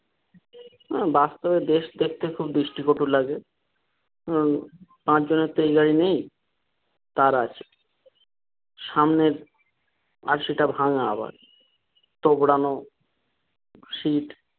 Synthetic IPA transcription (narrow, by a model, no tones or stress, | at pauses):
ɦɛ̃bast̪obed̪eʃd̪ek̚ʰt̪ekʰubd̪ɾiʃʈikoʈulaɡe | pãt͡ɕd͡ʑoneɾt̪ejɡaɽinej | t̪aɾat͡ɕʰe̥ | ʃamneɾ | a̰ɾʃiʈabʱaŋaa̰ba̰ɾ | t̪obɽano | ʃiʈ